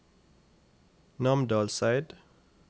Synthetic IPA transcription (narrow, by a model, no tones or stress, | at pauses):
nɑmd̪ɑːlsæɪd̪